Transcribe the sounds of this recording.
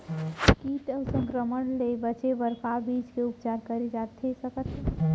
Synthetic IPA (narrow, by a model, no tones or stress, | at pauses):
kiːʈəʊsə̃ŋkɾəməɳlebət͡ʃebəɾfʰabiːd͡ʒkeʊpt͡ʃaːɾkəɾed͡ʒat̪esəkət̪